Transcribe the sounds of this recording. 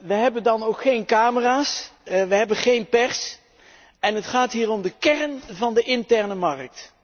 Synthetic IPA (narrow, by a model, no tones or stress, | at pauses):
ʋəɦɛbəndɑnowkχejnkaːməraːsʋəɦɛbəχejnpɛɹs | ɛnɦətχaːtɦiːɹɔmdəkɛrənvɑndəʔɪntɛɹnəmɑrk̚t